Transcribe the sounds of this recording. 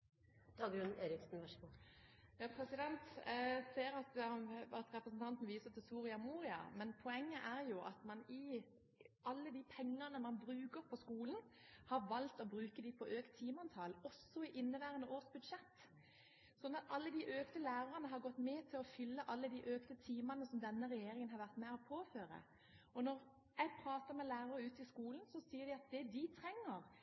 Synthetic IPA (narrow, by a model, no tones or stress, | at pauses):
d̪̥ɑːɡɾʉneːɾɪksnʋɑʂəɡuːjɑːpʰɾɛsɪd̪ɛnt̪seːɾɑt̪ɑt̪ɾɛpɾəsn̩t̪ʰɑnt̪n̩ʋiːsət̪ʰɪlsuːʁɪɑmuːʁɪɑ̰mɛnpʰɔɛŋːəʔæʁjʊʔɑ̰t̪mɑnɪ | ʔɑlːəd̪iːpʰɛŋːɑnəmɑnbɾʉːkəɾpʰɔskuːln | hɑʋɑlt̪ɔbɾʉːkəd̪ɪpʰɔʔøːkt̪ʰːiːmɑnt̪ʰɑːlɔsɔɪʔɪnːəʋæːʁənəʔoːʁsbʉd̪ʂɛt̪ː | sɔnːɑt̪ɑlːəd̪iʔøːkt̪əlæːɾɑʁənəɦɑʁɡɔt̪ːmɛt̪ʰɪlɔfʏlːəʔɑlːəd̪iʔøːkt̪ət̪ʰiːmɑnəsɔmd̪ɛnːəɾɛjeːɾɪŋənɦɑɾʋæʁt̪mɛɔpʰoːføːɾə̰ | ɔnɔʁ | jæɡpʰɾɑːt̪əɾmɛlæːɾɑɾəʉːt̪ɪskuːlənsɔsiːəɾd̪ɪɑt̪̚d̪ɛd̪ɪt̪ʰɾɛŋːəʁ